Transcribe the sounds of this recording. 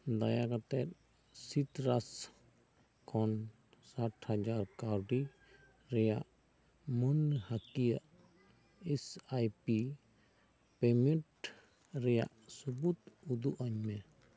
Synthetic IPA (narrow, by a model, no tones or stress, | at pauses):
d̪ajakat̪ɛt̪̚ | sit̪ɾas | kʰɔn | saʈhad͡ʒaɾkaɾɖi | ɾɛjaʔ | mənhakijaʔ | ɛsajpi | pɛmɛʈ | ɾɛja̰ʔsubut̪ud̪uʔaɲmɛ